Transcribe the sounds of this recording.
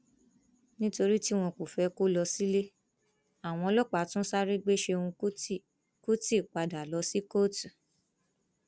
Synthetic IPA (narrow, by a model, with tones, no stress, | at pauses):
nĩ˦to˧ɾi˦ti˦w̃ɔ̃˧ko˨fɛ˧ko˦lɔ˧si˦le˦ | a˨w̃ɔ̃˧ɔ˧lɔ˦˨k͡pa˨˦tũ˦sa˦ɾi˦ɡ͡be˦ʃe˧ũ˧˦ | ku˦ti˦˨k͡pa˨da˨lɔ˨˦si˦ko˦t